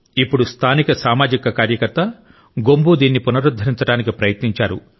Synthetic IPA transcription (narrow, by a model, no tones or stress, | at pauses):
ipːuɽust̪ʰaːnikɐsaːmaːd͡ʒikɐkaːɾjɐkɐɾt̪ɐ | ɡombud̪iːnːipunɐɾud̪ʱːɐɾiɲt͡ʃɐɽaːnikipɾɐjɐt̪niɲt͡ʃaːɾṵ